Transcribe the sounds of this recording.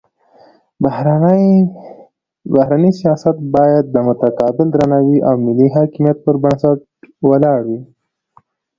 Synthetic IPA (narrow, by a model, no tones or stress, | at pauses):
baɾ | bahɾanəsijɑsat̪̚bɑjad̪̚ːəmʊt̪akɑbɪld̪ɾanawiʔawmɪlːiɦɑkɪmijat̪̚pəɾbaɳsaʈ | walɑɽwi